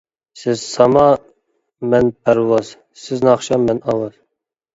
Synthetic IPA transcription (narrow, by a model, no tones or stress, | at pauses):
sɪzsɑmɑ | mɛnpʰæɾwɑz̥ | sɪznɑχʃɑmːɛnɑwɑz